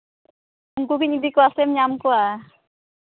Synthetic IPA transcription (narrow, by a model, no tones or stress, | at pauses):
uŋkukiɲid̪ikoasɛmɲamkoa